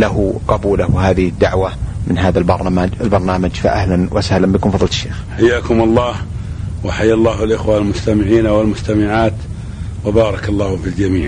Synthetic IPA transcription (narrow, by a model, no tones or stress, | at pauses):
laɦuqɑbuːlawɪɦaːðɪhɪd̪ːaʕwamɪnɦaːðalbɑɾˤmaɪlbɑɾˤnaːmad͡ʒfa̰ʔa̰hlanwʔasahlambɪkʊmfɑðˤlt̪ʃːḛːxħajːaːkʊmɑlˤːɑːh | wɪħajːlˤːɑːɦɪlʔɪxwalmʊst̪amɪʕiːnawɪlmʊst̪amɪʕaːt̪ | wɪbɑːɾˤɑkɑlˤːɑːhfild͡ʒamiːʕ